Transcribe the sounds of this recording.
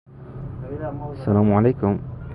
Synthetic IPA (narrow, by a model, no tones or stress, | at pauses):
sɐlaːmʕɐlejkʊm